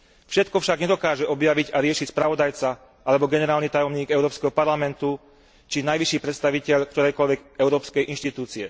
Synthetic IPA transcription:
fʃɛt̪kɔfʃaɡɲɛd̪ɔkaːʒɛɔbjaʋiɟaɾɪɛʃicspɾaʋɔd̪ajt͡sa | ʔalɛbɔɡɛnɛɾaːlnit̪ajɔmɲiːɡɛʊɾɔːpskɛɦɔpaɾlamɛnt̪u | t͡ʃinajʋiʃiːpɾɛt̪st̪aʋicɛʎkt̪ɔɾɛjkɔlʋɛɡɛʊɾɔːpskɛjʔinʃt̪it̪uːt͡siɛ

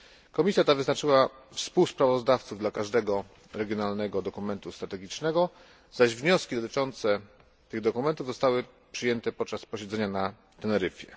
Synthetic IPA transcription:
kɔmʲisʲjat̪avɘznat͡ʂɘwa | fspuwspɾavɔzd̪aft̪suvd̪lakaʐd̪ɛɡɔ | ɾɛɡʲjɔnalnɛɡɔd̪ɔkumɛnt̪ust̪ɾat̪ɛɡʲit͡ʂnɛɡɔ | z̥aʑvɲɔskʲid̪ɔt̪ɘ̥t͡ʂɔnt̪sɛ | t̪ɘɣd̪ɔkumɛnt̪uvzɔst̪awɘ | pʂɘjɛnt̪ɛpɔt̪̚t͡ʂaspɔɕɛd̪zɛɲana | t̪ɛlɛɾɘfʲjɛ

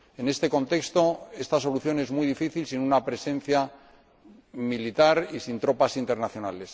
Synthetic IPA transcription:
e̞ne̞st̪e̞ko̞nt̪e̞kst̪o̞e̞st̪aso̞luθjo̞ne̞zmujðifiθilsinunapɾe̞sẽ̞n̟θja | milit̪aɾisint̪ɾo̞pasint̪e̞ɾnaθjo̞nale̞s

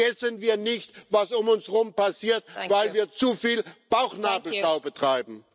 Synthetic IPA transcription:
ɛsənviːɐnɪçtvasʊmʊnsʁʊmpasiːɐt̚vaɪlviːɐt͡sufiːlb̥aʊxnaːbl̩ʃaʊbətʁ̥aɪbm̩

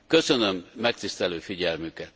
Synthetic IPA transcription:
kø̞sønø̞mːɛkt̪ist̪ɛløːfiɟɛlmykɛt̪

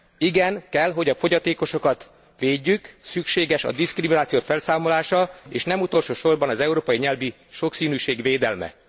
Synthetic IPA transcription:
iɡɛŋkɛlɦo̞ɟɒfo̞ɟɒt̪eːko̞ʃo̞kɒt̪ | ʋeːɟːyksykʃeːɡɛʃɒ̰d̪iskriminaːt̪sijoːfɛlsaːmo̞laːʃɒḛːʃnɛmut̪o̞lʃoːʃo̞rbɒnɒzɛuɾoːpɒjiɲɛlvi | ʃo̞ksiːnyːʃeːɡʋeːd̪ɛlmɛ̰

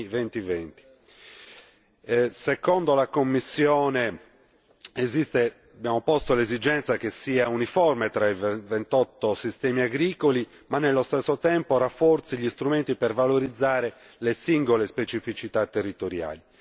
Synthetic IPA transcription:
vent̪ivent̪i̥ | sekɔnd̪olakomːisːjɔːne | ezist̪e | abjaːmopɔst̪olezid͡ʒɛnt̪sakesiːaunifɔrmet̪ɾaivvent̪ɔt̪ːosist̪ɛːmiaɡɾiːkoli | manːelːost̪esːot̪ɛmporafːɔrt̪siʎist̪ɾument̪ipervaloɾid̪zːaːɾe | lesiŋɡolespet͡ʃifit͡ʃit̪at̪ːerːit̪oɾja̰ːli

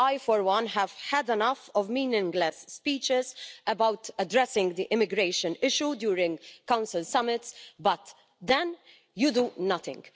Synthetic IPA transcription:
ajfɔɾwʌ̃nɦɛv̥ħɛd̪ɛnʌfɔvmĩːnɪ̃ŋɡlɛsːpiːt͡ʃɪzəbawt̪ədɾɛsɪ̃ŋɡd̪iʔɪmɪɡɾeɪʃɨ̃nɪʃjud̪juːɾɪ̃ŋɡkãw̃nsɪlsɐmɪt̪sbɐt̪ | d̪ɛ̃n | jud̪unʌt̪ɪ̰̃ŋɡ

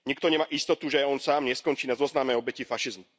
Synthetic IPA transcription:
ɲikt̪ɔɲɛmaːʔist̪ɔt̪uʒɛaɔnsaːmɲɛskɔnt͡ʃiːnazɔznamɛjɔbɛcifaʃizmu

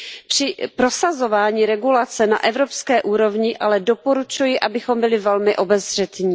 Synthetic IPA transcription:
pr̝̥ɪpɾo̞sazo̞vaːɲiːɾɛɡulat͡sɛna̰ʔɛvɾo̞pskɛːʔuːɾo̞vɲɪʔalɛdo̞po̞ɾut͡ʃujɪʔabɪxo̞mbɪlɪvɛlmɪʔo̞bɛzr̝̥ɛt̪ɲiː

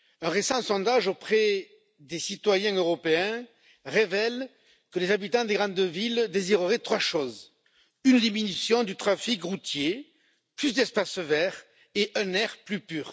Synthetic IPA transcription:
ɛ̃ʁesɑ̃sɔ̃d̪aʒopχɛ | d̪esit̪wajɛ̃øʁɔpeɛ̃ | ʁevɛl | kəlezabit̪ɑ̃d̪eɡʁɑ̃d̪vild̪eziʁəʁɛt̪χwaʃɔz | ynd̪iminysjɔ̃d̪yt̪χafikʁut̪je | plys̬d̪ɛspasvɛʁ | eʔɛ̃nɛʁplypyːʁ

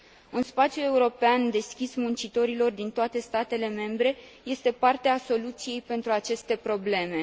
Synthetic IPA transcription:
unspat̪sjue̞uɾo̞peand̪e̞skʲismunt͡ʃit̪o̞ɾilo̞rd̪int̪oat̪e̞st̪at̪e̞le̞me̞mbɾe̞je̞st̪e̞part̪easo̞lut̪sije̞jpe̞nt̪ɾuat͡ʃe̞st̪e̞pɾo̞ble̞me̞

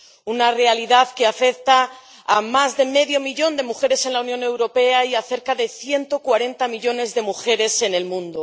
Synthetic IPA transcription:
unare̞aliðaðkeafe̞k̚t̪aː | mazðe̞meðjo̞miʝo̞nd̪e̞muxe̞ɾe̞se̞nlaunjõ̞ne̞wɾo̞pe̞aiaθe̞ɾkaðe̞θje̞nt̪o̞kwaɾe̞nt̪amiʎo̞ne̞zðe̞muxe̞ɾe̞se̞ne̞lmũnd̪o

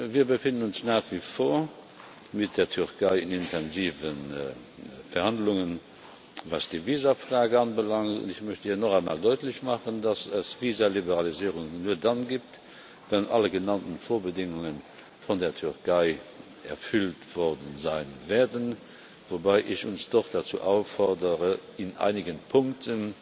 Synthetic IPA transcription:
viːɐbəfɪndənʊnsnaːχv̥ifoːɐ | mit̚d̥eːɐtʰyʁkʰɑɪɪnintʰɛnziːvən | fɛɐhɑndlʊŋən | vɑ̰ːsd̥iːviːzɐfʁaːɡəɑnbəlɑŋtʊ̰ndɪçmœɕtəhiːɐnɔχaɪnma̰ːldɔɪtləɕmɑχəndɑsəsviːzɐlibəʁɑliziːʁʊŋnuːɐdɑnɡiːp̚t | vɛnʔɑ̰ləɡənɑntənfoːɐbədɪŋʊŋən | fɔndeːɐtʰyʁkʰaɪ | ɛ̰ɐfyltv̥ɔʁdənzaɪnvɛːɐdən | vobaɪʔɪɕʊnsd̥ɔχd̥ɑt͡sṵːʔaʊfɔʁdəʁəɪnʔa̰ɪniɡənpʰʊŋktʰən

